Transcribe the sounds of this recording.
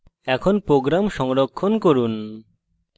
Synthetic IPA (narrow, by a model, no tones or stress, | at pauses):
ɛkʰonpɾoɡɾamʃɔŋɾokʰːonkoɾun